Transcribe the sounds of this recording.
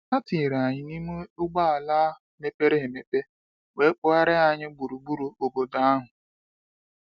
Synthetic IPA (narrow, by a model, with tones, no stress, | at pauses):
a˦ti˨ɾa˨ɲɪ˨ni˦mu˦ʊ˦ɡ͡ba˦a˨laː˦ | me˦pe˦ɾe˦ɦɪ˨me˨pe˦ | we˦k͡pʊ˦a˦ɾɪ˦a˨ɲɪ˦ɡ͡bu˨ɾu˨ɡ͡bu˦ɾu˨o˨bo˨da˦a˦ɦʊ˨